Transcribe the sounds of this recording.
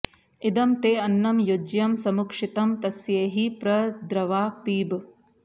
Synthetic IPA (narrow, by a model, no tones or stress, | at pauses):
id̪ɐmt̪eːɐnːɐmjod͡ʒjɐmsɐmukʂit̪ɐmt̪ɐsjeːɦipɾɐd̪ɾɐʋaːpiːb